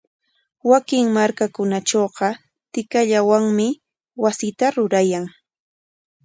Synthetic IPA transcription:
wakɪŋmaɾkakʊnaʈ͡ʂoːɢɑ | t̪ɪkaʎawaŋmɪ | wasɪt̪aɾʊɾajaŋ

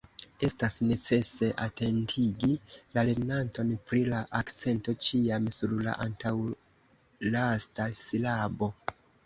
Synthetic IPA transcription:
e̞stasne̞t͡se̞se̞ʔatʰe̞ntʰiɡilale̞ɾnanto̞npɾilaʔakt͡se̞nto̞t͡ʃiamsuɾla̰ʔantaw | lastasilabo̞

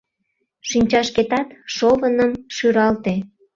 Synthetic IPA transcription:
ʃinʲt͡ɕɑʃket̪ɑt̪ʃoβənəmʃyɾɑlt̪e

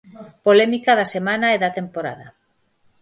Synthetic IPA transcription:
polɛmikaðasemanaɛðat̪empoɾa̰ðɐ

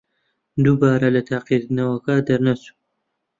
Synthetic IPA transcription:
d̪ubaːɾɐlɐt̪ʰaːqid̪ɨnɐwɐkad̪ɐɾnɐsu̥

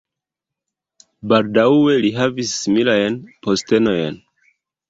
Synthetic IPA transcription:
baldawe̞liɦavisːimilajnposte̞no̞jn

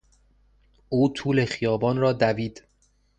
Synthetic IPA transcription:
uːt̪ʰuːle̞xijɒːbɒːnrɒːd̪æviːd̪

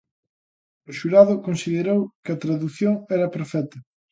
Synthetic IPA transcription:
ʊʃuɾaðʊkonsiðeɾowkɪɐt̪ɾaðuθjoŋɛɾɐpɾofɛt̪ɐ

